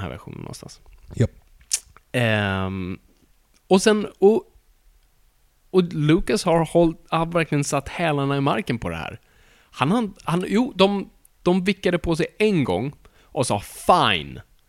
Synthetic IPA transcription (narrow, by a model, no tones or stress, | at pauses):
nhæ̰ɾvæ̰ɾɧṵːnə̰nːɔ̰nst̪a̰ns | ɛ | ɔsɛnɔ | ɔlʉːkashaɾhɔlt̪ːvæɾklɪɡənsat̪ːhɛːlanaɪmaɾkənpʰɔd̪ɛ̰hæ̰ːɾ | hanhahanjuːd̪ɔm | d̪̥ɔmvɪkːad̪əpʰɔsɛjɛnɡɔ̰ŋː | ʔɔsɑːfaɪn